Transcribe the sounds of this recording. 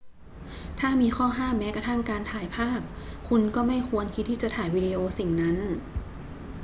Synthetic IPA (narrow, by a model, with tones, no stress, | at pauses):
t̪ʰaː˥˩miː˧xʰɔː˥˩ɦaː˥˩mːɛː˦˥kɾa˧t̪ʰa˥˩mkaː˧nt̪ʰaː˨˩˦jpʰaː˥˩p̚kʰu˧nkɔː˥˩ma˥˩jkʰu˧ənkʰi˦t̪̚ʰːiː˥˩t͡ɕa˨˩t̪ʰaː˩˦jwiː˧di˧ʔoː˧si˨˩ŋna˦˥n